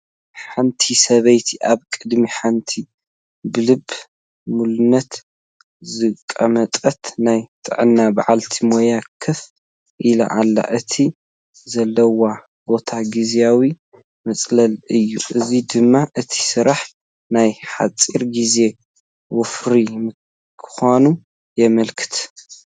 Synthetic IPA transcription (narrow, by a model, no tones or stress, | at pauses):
ħant̪ʰisɐβɐjt̪ʰiʔaβkʼɨd̪miħant̪ʰi | bɨlɨb | mulɨnːɐt̪ | zɨkʼɐmɐt̪ʼɐt̪najt̪ʰʼɨ̰ʕɨnːaba̰ʕalt̪ʰimojakʰɨf | ʔila̰ʔalːa̰ʔɨt̪ʰi | zɐlːɐwa | bo̞t̪ʰaɡizeawi | mɐt͡sʼlɐlɨjːuʔɨzid̪ɨmːaʔɨt̪ʰi̥sɨɾaħ | najħa̰t͡sʼiɾɡize̞ | wɔfɾim | kʰɨ̥xonu | jɛmɐlkʰɨ̥t̪ʰ